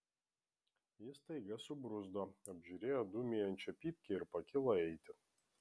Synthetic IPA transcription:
jɪst̪ɐɪɡɐsʊbɾʊzd̪oːɐbʲʒʲuɾʲeːjoːd̪umʲeːjɛnʲt͡ʃʲɛpʲiːpʲkʲɛɪɾpɐkʲɪlˠɐɛɪt̪ʲɪ

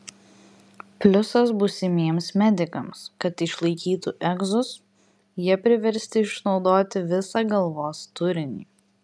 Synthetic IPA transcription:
pʲlʲʊsɐsbʊsʲɪmʲiɛmsmʲɛd̪ʲɪkɐmskɐt̪ɪʃlˠɐɪkʲiːt̪uːʔɛɡzʊs | jiɛpʲɾʲɪʋʲɛɾʲsʲt̪ʲɪɪʃnɒʊd̪oːt̪ʲɪʋʲɪsɑɡɐlˠʋoːst̪ʊɾʲɪnʲḭː

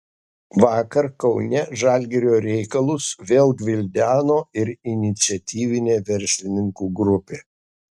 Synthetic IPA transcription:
ʋɑːkɐɾkɒʊnʲɛʒɑːˑlʲɡʲɛɾʲoːɾʲɛɪkɐlˠʊsʋʲeːlˠɡʲʋʲɪlʲd̪ʲæːnoːɪɾɪnʲɪt̪sʲɪɛt̪ʲiːʋʲɪnʲeːʋʲɛɾʲsʲlʲɪnʲɪŋkuːɡɾʊpʲeː

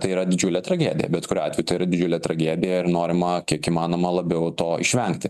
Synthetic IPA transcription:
t̪ɐɪiɾɐd̪ʲɪd͡ʒʲuːlʲɛt̪ɾɐɡʲæːd̪ʲɪjɛ̰bʲɛt̪kʊɾʲːɑːt̪ʲɛjʊt̪ɐɪiɾɐd̪ʲɪd͡ʒʲuːlʲɛt̪ɾɐɡʲæːd̪ʲɪjɛɪɾnoːɾʲɪmɐkʲiɛkiːmɑːnoːmɐlˠɐbʲɛʊt̪oːɪ̰ʃʲʋʲɛŋkt̪ʲɪ

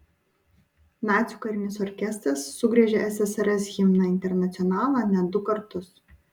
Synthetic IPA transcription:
mʲæːt̪sʲukɐɾʲɪnʲɪsɔɾʲkʲɛsʲt̪ɾɐsːʊɡɾʲɛːʒʲɛʔɛsʲɛsɐɾʲɛsɣʲɪmnɑɪnʲt̪ʲɛɾnɐt̪sʲɔnɑːlˠɑnʲɛd̪ʊkɐɾt̪ʊs

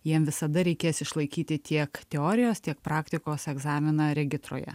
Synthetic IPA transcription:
jiɛmʋʲɪsɐd̪ɐɾʲɛɪkʲeːsɪʃlˠɐɪkʲiːt̪ʲɪt̪ʲiɛkt̪ʲɛoːɾʲɪjoːst̪ʲiɛk̚pɾɑːkt̪ʲɪkoːsɛɡzɑːmʲɪnɐɾʲɛɡʲɪst̪ɾo̰ːjɛ̰

